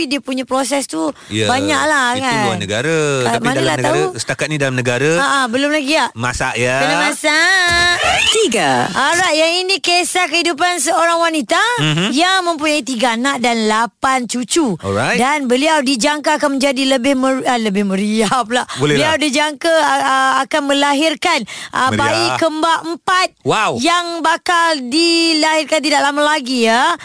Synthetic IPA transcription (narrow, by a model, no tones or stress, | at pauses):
idiəpuɲãpɾosɛst̪ujabaɲaʔ̚lahkaannəɡaɾamãnalaht̪ausət̪akat̪̚nidalamnəɡaɾaaʔabəlʊmlahɡiaʔmasa̰ʔjakənamasa | t̪iɡaʔaɾajt̪̚jaŋinĩkesahkəhidup̬ansəoɾaŋwanit̪ajaŋmə̃mpuɲait̪iɡaanaʔdanlapant͡ʃut͡ʃuɔ̰adanbəliawdid͡ʒaŋkaːkanmə̃nd͡ʒadiləbɪhməələbɪhmə̃ɾiap̚laʔboləliawdid͡ʒaŋkaakanmə̃laɦɪrkanʔə̰baikəmbaəmpat̪̚wawjaŋbakaldilaɦɪrkant̪̬idaʔlamalaɡiə